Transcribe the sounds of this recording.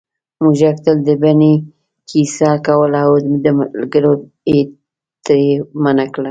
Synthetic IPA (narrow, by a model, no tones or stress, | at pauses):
muʒakt̪əld̪əbani | kʰisakawəlaod̪əlɡəɾo | e | t̪emanakɽa